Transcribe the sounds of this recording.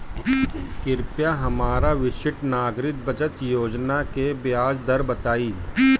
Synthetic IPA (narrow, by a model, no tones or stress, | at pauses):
kɪɾpjaɦɐmaːɾaʋɪʃɪʈnaːɡɾɪt̪̚bɐd͡ʒət̪joːd͡ʒnakebjaːd͡ʒd̪ɐɾbɐt̪aːiː